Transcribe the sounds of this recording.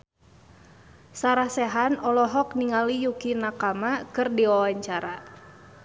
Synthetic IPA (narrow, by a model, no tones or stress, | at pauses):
saɾahsɛɦanɔlɔɦɔk̚niŋalijukinakamakɨrdiawaɲt͡ʃaɾa